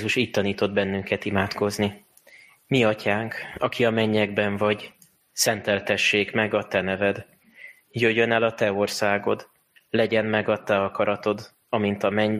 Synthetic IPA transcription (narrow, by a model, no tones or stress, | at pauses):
zuʃiːc̚t̪ɒniːt̪o̞d̪̚bɛnːyŋkɛt̪imaːt̪ko̞zni | miɒcaːŋkɒkiɒmɛɲːɛɡbɛɱvɒɟ | sɛnt̪ɛlt̪ɛʃːeːkmɛɡɒt̪ɛnɛvɛd̪ | jøjønɛlɒt̪ɛo̞rsaːɡo̞d̪ | lɛɟɛnmɛɡɒt̪ɛɒkɒɾɒt̪o̞d̪ | ɒmint̪ɒmɛɲ